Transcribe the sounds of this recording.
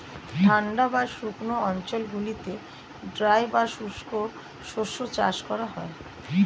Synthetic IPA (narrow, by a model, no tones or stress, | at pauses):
tʰaɳɖabaɾʃuknoɔnt͡ɕolɡulit̪e | ɖɾajbaʃuʃkoɾ | ʃoʃot͡ɕa̰ʃkɔɾaɦɔe